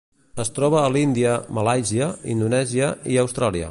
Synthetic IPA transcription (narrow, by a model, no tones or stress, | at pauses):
əst̪ɾɔβ̞əːlind̪iəməlajziəind̪unɛziəiəwst̪ɾaliə̰